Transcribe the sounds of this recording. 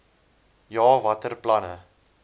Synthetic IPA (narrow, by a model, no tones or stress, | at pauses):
jɑːvɐtərplɐnə̰